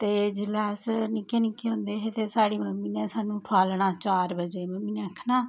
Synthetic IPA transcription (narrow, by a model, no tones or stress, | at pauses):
t̪eːd͡ʒɪlɛːsnɪkeːnikeːɦõːnd̪eːɦeːt̪eːsaːɽeːməmiːneːsaːnũːʈʰaːlɳaːt͡ʃaːɾbəd͡ʒeːməmiːnẽːkʰnaː